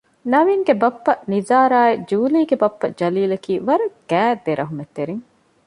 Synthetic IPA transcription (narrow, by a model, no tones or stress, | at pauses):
nɐʋiŋɡebɐpːɐnizaːɾaːed͡ʒuːliːɡebɐpːɐd͡ʒɐliːlɐkiːʋɐɾɐɡ̥æːd̪eɾʔɐɦumet̪ːeɾiŋ